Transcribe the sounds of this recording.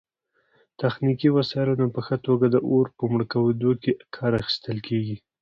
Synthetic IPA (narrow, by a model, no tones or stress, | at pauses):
t̪axnikiwasɑjɪlonapəxət̪oɡad̪əʔoɾpəmɽəkawed̪okekʰɑɾaxi̥st̪əlkʰeɡi